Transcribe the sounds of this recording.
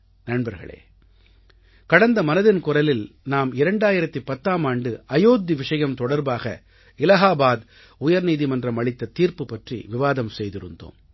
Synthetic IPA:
nɐɳbɐɾɣɐ̰ɭḛː | kɐɽɐnd̪ɐmɐnɐðɪnkʊrɐlɪlnaːmɪɾɐɳɖaːjɪɾɐt̪ːipɐt̪ːaːmaːɳɖɯɐjoːd̪ːiʋɪʂɐjɐmt̪ɔɽɐɾbaːɣɐ̰ | ɪlɐɣaːbaːð | ʊjɐɾniːðimɐndrɐmɐɭɪt̪ːɐt̪iːɾpɯpɐʈrḭʋɪʋaːðɐmsɛjðɪɾɯ̰nd̪o̰ːm

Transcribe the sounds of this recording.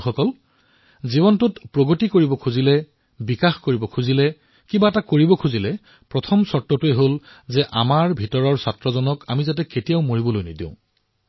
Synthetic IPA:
xɔkɔl | zibɔntʊtpɹoɡotikoɹibɔkʰuzilɛ | bikaxkoɹibɔkʰuzilɛ | kĩbaɛtakoɹibɔkʰuzilɛ | pɹɔtʰɔmsɔtːɔtʊeɦolzɛʔamaɹbʱitɔɹɔɹsatɹɔzɔnɔka̰mizat̬ɛketijaʊmoɹibɔlojnidḭ̃ʊ̃

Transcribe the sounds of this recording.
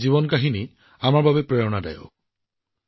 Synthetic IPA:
ziβɔnkaɦini | amaɹbabɛpɹɛjɔnada̰jo̰

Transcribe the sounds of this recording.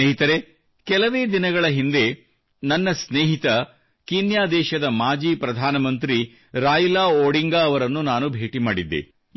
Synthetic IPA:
eːɦit̪ɐɾe | kɛlɐʋeːd̪inɐɡɐɭɐɦind̪e̞ | nɐnːɐsneːɦit̪ɐ | kinjaːd̪ɛːʃɐd̪ɐmaːd͡ʒiːpɾɐd̪ʱaːnɐmɐnt̪ɾi | ɾaːjulaːoːɽiŋɡaːɐʋɐɾɐnːunaːnubʱeːʈimaːɽid̪ːḛ

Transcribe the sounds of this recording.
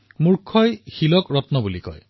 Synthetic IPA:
muɹkʰːɔjxilɔkɹɔtnɔbulikɔ̰j

